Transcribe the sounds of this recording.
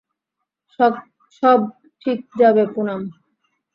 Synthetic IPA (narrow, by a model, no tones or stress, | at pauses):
ʃɔb̚ | ʈʰik̚d͡ʑabekunam